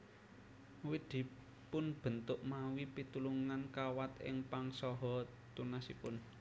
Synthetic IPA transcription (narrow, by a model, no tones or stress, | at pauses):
wid̪̥i̤ | pʊnb̥ə̤nt̪ʊʔmawipit̪uluŋankawat̪ɪ̰ŋpaŋsɔɦɔ | t̪unasipʊn